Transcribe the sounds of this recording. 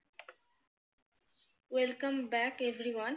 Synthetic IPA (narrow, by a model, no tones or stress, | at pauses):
wɛlkə̃mbækevɾiwʌ̃n